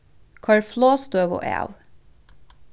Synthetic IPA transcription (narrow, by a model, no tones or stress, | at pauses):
kʰɑɭfloːst̪øːʋo̰ːʔḛːʋ